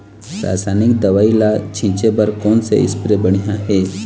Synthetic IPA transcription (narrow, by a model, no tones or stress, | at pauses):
sa̰ːsaːnikd̪ɐʋaːilat͡ʃʰĩt͡ʃebəɾkɔːnsḛɪ̰spɾebəɽ̃ijaɦeː